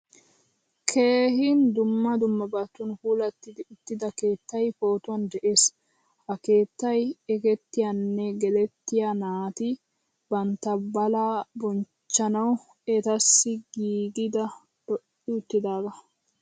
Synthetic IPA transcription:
kʰe̞ːhɪnd̪ʊmːɐd̪ʊmːɐbɐt̪ːʊnhuːlɐt̪ːɪd̪ɪʊt̪ːɪd̪ɐke̞ːt̪ːɐjpo̞ːt̪ʊwɐnd̪ɛʔe̞ːs | hɐke̞ːt̪ːɐjɛɡɛt̪ːɪjɐnːɛɡɛlɛt̪ːɪjanaːt̪ɪ | bɐnt̪ːɐbɐlaːbɔn | t͡ʃːɐnɐw | ɛt̪ɐsːɪɡiːɡɪd̪ɐ | d̪̥ɔʔɪʊt̪ːɪd̪aːɡ̪ɐ

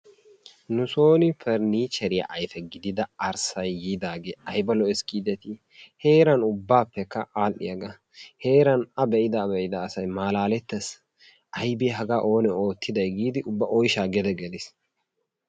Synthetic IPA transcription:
nʊso̞ːnɪfʰɛɾniːt͡ʃɛɾɪjɐ̰ʔɐjfɛɡɪd̪ɪd̪ɐɐɾsɐjːiːd̪aːɡeɐjbɐlɔɛskʼiːd̪ɛt̪ɪ | heːɾɐnʊbːaːpːɛkːɐʔaːlɪ̰jɐɡɐ | heːɾɐnɐbɛʔɪd̪ɐbɛʔɪd̪ɐːsɐjmaːlaːlɛt̪ːɛs | ʔɐjbiɦɐɡaːʔo̞ːnɛo̞ːt̪ʰːɪd̪ɐjɡiːd̪ɪʔʊbːɐʔɔjʃaːɡɛd̪ɛɡɛlɪs

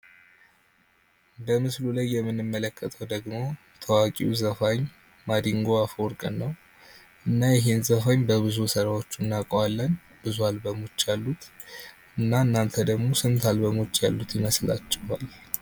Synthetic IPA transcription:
bəmɨslulajːɛmːɨnːɨmːələkːət̪ʰəwd̪əɡmo̞ | t̪ʰəwakʼiwuzəfaɲ | mad̪iŋɡo̞afoɾkʼɨnːəw | ʔɨnːajɪɦenzəfaɲbəβɨzusəɾawo̞t͡ʃːunːakʼwalːən | bɨzualbəmot͡ʃːjalːut̪ | ɨnːaɨnːant̪ʰəd̪əɡmosɨnt̪ʰalbəmot͡ʃːjalːut̪ʰjɪməsla̰t͡ʃːɪhal

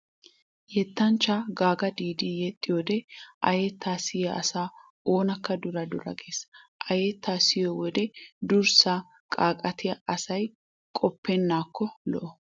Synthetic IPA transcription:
jɛt̪ːɐnt͡ʃːaɡaːɡɐd̪iːd̪ijɛt̪ʼːɪjoːd̪ɛʔɐ̰jɛt̪ːaːsɪjɐɐsaː | o̞ːnɐkːɐd̪ʊɾɐd̪ʊɾɐ̰ɡeːsʔɐjɛt̪ːaːsɪjowɔd̪ɛd̪ʊɾsa | kʼaːkʼɐt̪ɪjɐɐsɐj | kʼɔpːɛnːaːkːɔlɔ̰ʔɔ

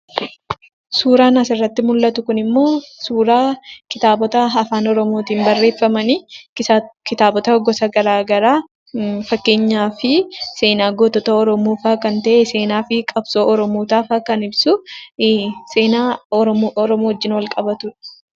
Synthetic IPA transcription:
suːɾaːnɐsɪrːɐt̪ːɪmʊlːɐt̪ʊkʊnɪmːo̞ːsuːɾaːkɪt̪aːbɔt̪ɐɐfaːnɔɾɔmoːt̪iːnbɐrːe̞ːfːɐmɐni | kɪt̪aːbɔt̪ɐɡɔsɐɡɐɾaːɡɐɾaː | fɐkːe̞ːɲːaːfɪse̞ːnaːɡoːt̪ːɔt̪ɐɔɾɔmuːfaːkɐnt̪ɐʔese̞ːnaːfɪkʼɐbsoːʔɔɾɔmuːt̪aːfaːkɐnɪbsʊ | seːnaː | ɾɔmoːhɔd͡ʒːɪnwɐlkʼɐbɐt̪ʊᶑ̥

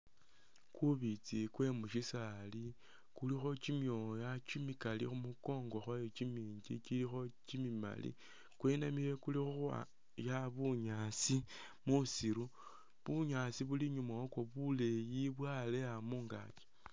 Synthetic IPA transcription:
kuβit͡sikwe̞muʃisali | kulixo̞t͡ʃimjo̞jat͡ʃimikalixumuko̞ːŋɡo̞xojot͡ʃimiːɲɟit͡ʃilixo̞t͡ʃimima̰lḭ | kwe̞namile̞kulixuxa̰ | jaβuɲasi | musiɾu | βuɲasiβuliɲumaokwoβule̞jiβwale̞amuːŋɡa̰ki̥

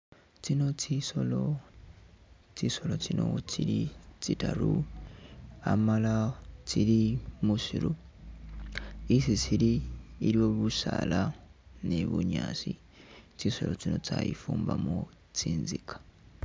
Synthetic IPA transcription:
t͡sino̞t͡ʃisolo | t͡ʃiso̞lo̞t͡sino̞̰t͡ʃiɾit͡sitaɾu | amalat͡silimuʃiɾu | isit͡ʃiliːɾio̞βusalaneβuɲaːsi | t͡ʃiso̞lo̞t͡sino̞t͡sajḭfuːmbamo | t͡siːnzikʰḁ

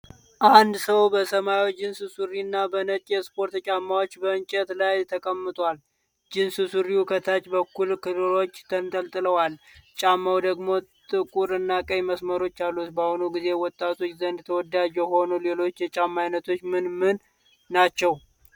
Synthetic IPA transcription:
ʔand̪səwbəsəmajod͡ʒɪnsɨsuɾinːabənət͡ʃ̪ʼjɛspo̞ɾt̪t͡ʃʼamːawot͡ʃːbəɨnt͡ʃʼət̪lajt̪ʰəkʼəmːɨt̪ʼwal | d͡ʒɪnsɨsuɾiukʰət̪ʰat͡ʃʼbəkːulkʰɨlɨlo̞t͡ʃːt̪ʰənt̪ʼəlt̪ʼɨləwalt͡ʃʼamːawd̪əɡmo̞t̪ʼɨkʼuɾɨnːakʼəjməsməɾo̞t͡ʃːalːut̪bahonuɡizewɔt̪ʼːat̪ʰo̞t͡ʃːzənd̪t̪ʰəwɔd̪ad͡ʒɛho̞nule̞lo̞t͡ʃːjɛt͡ʃʼamːajnət̪ʰo̞t͡ʃːmɨnmɨnː | at͡ʃːɛw

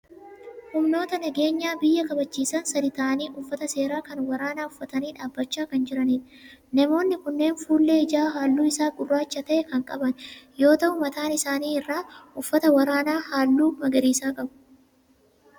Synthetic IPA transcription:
hʊmno̞ːt̪ɐnɐɡe̞ːɲːaːbɪjːɐkɐbɐt͡ʃːiːsɐnsɐd̪ɪt̪aːniːʔʊfːɐt̪ɐse̞ːɾaːkɐnwɐɾaːnaːʊfːɐt̪ɐniːᶑaːbːɐt͡ʃːaːkɐnd͡ʒɪɾɐniːn | nɐmo̞ːnːɪkʊnːe̞ːnfuːlːe̞ːɪd͡ʒaːɦaːlːuːɪsaːɡʊrːaːt͡ʃːɐt̪ɐʔɛkɐŋkʼɐbɐnjo̞ːt̪ɐʔʊmɐt̪aːnɪsaːniːɪrːaːʊfːɐt̪ɐwɐɾaːnaːhaːlːuːmɐɡɐɾiːsaːkʼɐbʊ̥

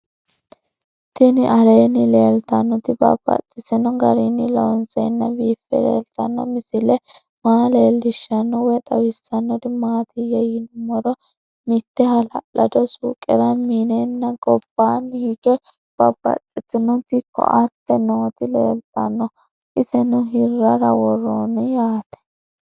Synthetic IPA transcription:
t̪ɪnɪʔɐleːnɪle̞ːlt̪ɐnːɔt̪ɪbɐ̰b̥ːɐ̰t͡sʼːɪsɪnɔɡɐɾɪnːɪlɔwnsɛnːɐbiːfːɛ̰lḛːlt̪ɐ̰nːɔ̰mɪsɪlɛ | maːleːlːɪʃːɐnːɔwɛt̪ʼɐwɪsːɐnːɔd̪ɪmaːt̪ɪjɛjɪnmɔɾɔ | mɪt̪ːɛhɐlɐlɐd̪ɔsuːkʼːɛɾɐmiːnɛnːɐɡɔb̥ːaːnhɪɡɛ | b̥ɐb̥ːɐ̰t͡sʼːɪtːɪnʊt̪ɪkːɔ̰ʔɐt̪ːɛnoːt̪ɪlḛːlt̪ʼɐnːɔ | ʔɪsɛnʊɦɪrːɐɾɐwɔrːonɪjaːt̪ɛ̥

